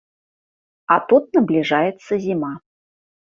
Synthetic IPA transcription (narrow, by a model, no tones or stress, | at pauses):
at̪ut̪̚nɐblʲiʐajɛt̪sːəzʲima